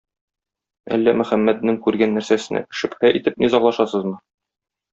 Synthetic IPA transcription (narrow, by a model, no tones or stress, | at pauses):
æ̰lːæmɵ̆χæmːæt̪̚nɘŋkʉɾɡænːæɾsæsɘ̆nʔæ̰kɘ̥̆ʃɘphæʔit̪ɘp̚nizɑɴlˠɑʃɑsɤzmɤ